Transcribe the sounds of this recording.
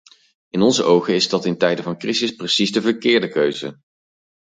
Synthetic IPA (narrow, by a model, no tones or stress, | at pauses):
ɪnɔnzəʔowχəɪzdɑtɪntɛjdəvɑnkrizɪsprəsizdəvəɹkɪːɹdəkøɥzə̰